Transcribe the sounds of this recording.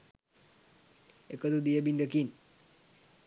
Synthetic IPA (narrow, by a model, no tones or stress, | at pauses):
ekəd̪ud̪ijəbind̪əkiːn